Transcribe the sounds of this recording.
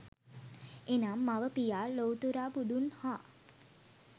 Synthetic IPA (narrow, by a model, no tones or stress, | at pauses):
enamːaʋəpijaːlowt̪uɾaːbud̪unhaː